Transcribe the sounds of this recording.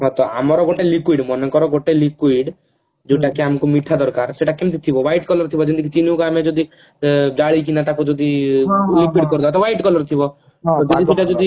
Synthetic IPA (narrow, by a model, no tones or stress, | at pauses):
ɦɔt̪ɔa̰mɔɾɔɡoʈelikwiɖmɔnɔkɔɾɔɡoʈelikuiɖ | d͡ʒoʈakeamkumiʈʰad̪ɔɾkaɾseʈakemt̪ʰit̪ʰibɔʋajʈkɔlɔɾt̪ʰibɔd͡ʒind̪ikit͡ʃinukamed͡ʒod̪i | d͡ʒaɭik̬inat̪akud͡ʒod̪ilikwiɖkɔɾud̪ɔbat̪ɔʋajʈkɔlɔɾt̪ʰibɔ | t̪ɔd͡ʒɔd̪iseʈad͡ʒod̪i